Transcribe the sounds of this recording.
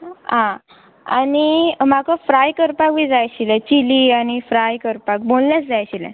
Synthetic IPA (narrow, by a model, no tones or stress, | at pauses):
ɦã | a̰nim̤akəfɾajkəɾpakʋid͡zajɕilɛt͡ɕiliañifɾajkəɾpak̚bollat͡sd͡zajɕilɛ̰̃